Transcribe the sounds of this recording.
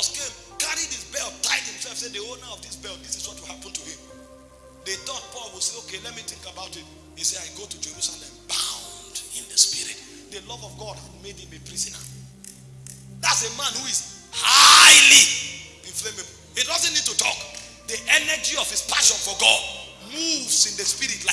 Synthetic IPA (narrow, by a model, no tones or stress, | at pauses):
skẽm | kaɹidisbɛlt̚taɪd̚hĩmsɛlˠfsedionəɔvdisbɛlˠt̚disiswɔt̚wihapə̃n̩tʰuhĩm | ðetɔt̚pɔlwiseokelɛt̚mitɪ̃ŋkabaʊtit | hiseaɪɡotud͡ʒeɹusalɛ̃mbãʊ̃ndɪ̃ndəspiɹḭt | dəlɔvɔvɡɔd̚hadmed̚hĩmepɹizənə̰ | ðatsemãnhuiz | haɪliɾiflemeb | hidɔzə̃nnid̚tutʰɔ̰k | diʔɛnəd͡ʒiɔv̥ispʰaʃɔ̃nfɔɡɔ̰d | muvzɪ̃ndəspiɾitla